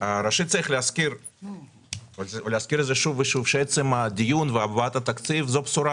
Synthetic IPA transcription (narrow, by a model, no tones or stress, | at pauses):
aɾaʃit̪̚t͡s̪aɾixleaskʲiɾ | valzvleaskʲiɾet̪zɛʃuvːeʃuvʃeesemad̪ijunveabaat̪at̪akt͡s̪ivzopsuɾa